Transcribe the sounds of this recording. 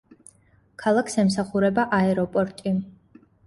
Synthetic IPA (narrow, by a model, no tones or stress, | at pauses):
kʰalˠakʰsɛmsaχuɾɛbaʔaɛɾɔpʼɔɾt̪ʼi